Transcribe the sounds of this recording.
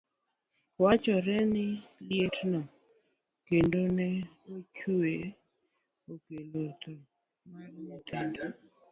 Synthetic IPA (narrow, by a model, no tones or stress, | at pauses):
wat͡ʃɔɾɛnɪljetnɔ | kendonɛot͡ʃue | okelot̪o | marmot̪endo